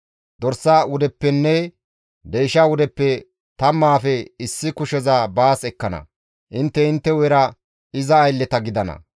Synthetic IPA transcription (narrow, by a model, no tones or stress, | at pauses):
d̪ɔɾsːaːwʊd̪ɛpːɛnːɛ | d̪ejʃawʊd̪ɛpːɛ | t̪ɐmːaːfɛɪsːɪkʊʃɛzabaːsɛkːɐnɐ̰ | ʔɪnt̪ːɛɪnt̪ːɛwɛɾɐ | ɪzɐːjlːɛt̪ɐɡɪd̪ɐnɐ̰